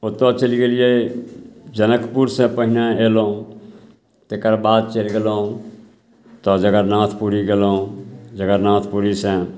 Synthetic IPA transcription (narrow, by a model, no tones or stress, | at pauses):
ot̪ot͡ʃəliɡelije | d͡ʒənəkpuɾsẽpəɦɪneelõ | t̪ekəɾbaːd̪̚t͡ʃelɡelo | t̪ɔd͡ʒəɡəɾnãːt̪ʰpuɾiɡelod͡ʒəɡəɾnãːt̪ʰpuɾisẽ